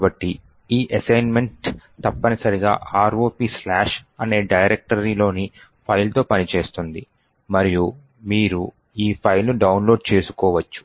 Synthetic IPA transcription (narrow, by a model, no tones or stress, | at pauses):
bɐʈːi | iːʔɐsɐjnme̞ɳʈt̪ɐpːɐnisɐɾiɡa̰ːʔaːɾo̞ːpiːslaːʂɐne̞ːɖɐjɾek̚ʈɐɾiːlo̞ːni | pʰɐjlt̪o̞ːpɐnit͡ʃe̞ːst̪und̪i | mɐɾiju | miːɾu | iːpʰɐjlnuɖɐwnlo̞ːɖt͡ʃe̞ːsu̥kɔːʋɐt͡ʃːu̥